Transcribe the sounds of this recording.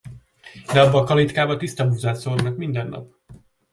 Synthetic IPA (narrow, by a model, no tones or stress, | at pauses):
d̪ɛɒbːɒːkɒlit̪kaːbɒt̪ist̪ɒbuzaːsornɒkmind̪ɛnːɒ̰p